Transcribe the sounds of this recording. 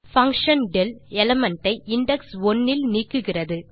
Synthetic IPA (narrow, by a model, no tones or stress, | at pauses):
fɐŋkʂɐnɖɛlɛlɐmɐɳʈɐɪʔɪɳɖɛksɔnːɪlniːkːɯɣɪrɐðɯ